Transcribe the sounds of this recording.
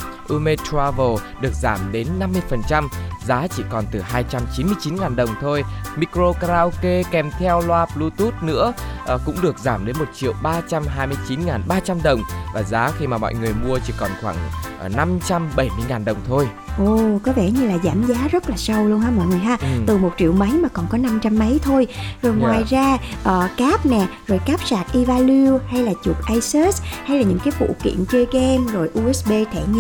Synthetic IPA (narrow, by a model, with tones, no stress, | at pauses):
ʔu˧me˧t̪ʰaː˧vo˨˩ɗɨ˨˩ək̚zaː˧˩mɗe˨˦nːa˧mːɨ˧əjfə˨˩nt͡ɕa˧mzaː˨˦t͡ɕḭ˧˩kɔ˨˩nt̪ɨ˨˩ɦaː˧jt͡ɕa˧mt͡ɕi˨˦nmɨ˧əjt͡ɕi˨˦nŋaː˨˩nɗə˨˩wŋ͡mt̪ʰo˧jmi˧˥kɾo˧kɾaː˧wke˧kɛ˨˩mt̪ʰɛ˧wlwaː˧p̚lu˧t̪u˦˥t̚nɨ̰˧˥əʔə˨˩kʊ̰˧˥ŋ͡mɗɨ˨˩ək̚zaː˧˩mɗe˨˦nmo˨˩t̚t͡ɕḭ˧˨ə˨wɓaː˧t͡ɕa˧mɦaː˧jmɨ˧əjt͡ɕi˨˦nŋaː˨˩nɓaː˧t͡ɕa˧mɗə˨˩wŋ͡mvaː˨˩zaː˨˦xi˧maː˨˩mɔ̰˧˨jŋɨ˨˩əjmu˧ət͡ɕḭ˧˩kɔ˨˩nxwaː˧˩ŋ˨˩na˧mt͡ɕa˧mɓə˧˩jmɨ˧əjŋaː˨˩nɗə˨˩wŋ͡mt̪ʰo˧j | ʔo˨˩kɔ˨˦vɛ˧˩ɲɨ˧laː˨˩zaː˧˩mzaː˨˦zə˦˥t̚laː˨˩sə˧wlu˧ənɦaː˧mɔ̰˧˨jŋɨ˨˩əjɦaː˧˦˨t̪ɨ˨˩mo˨˩t̚t͡ɕḭ˧˨əwmə˨˦jmaː˨˩kɔ˨˩nkɔ˨˦na˧mt͡ɕa˧mːə˨˦jt̪ʰo˧jzo˨˩jŋwaː˨˩jzaː˧ʔəː˨˩kaː˦˥p̚nɛ˨˩zo˨˩jkaː˦˥p̚saː˨˩k̚ʔi˧vaː˧li˧wha˧jlaː˨˩t͡ɕu˨˩k̚ʔaː˧jse˦˥sha˧jlaː˨˩ɲɨ̰˧˥ŋkaː˨˦jfṵ˧˨kḭ˧˨ənt͡ɕə˧ɣɛ˧mzo˨˩jʔu˧ʔɛ˦˥ɓe˧t̪ʰɛ˧˩ɲɛ˧˩